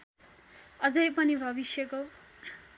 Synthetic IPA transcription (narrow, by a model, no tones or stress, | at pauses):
ʌd͡zʌjpʌnibʱʌbisjʌko